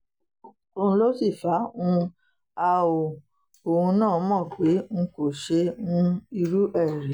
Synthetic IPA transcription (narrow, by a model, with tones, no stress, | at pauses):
o˧ũ˧lo˦si˦˨fa˨˦ũ˦ | a˧o˨ | o˨hũ˧nãː˦˨˦mɔ̃˦˨k͡pe˨˦ŋ̩̃˧ko˨ʃe˧ũ˦i˧ɾu˦ʔɛ˦˨ɾɛ˨˦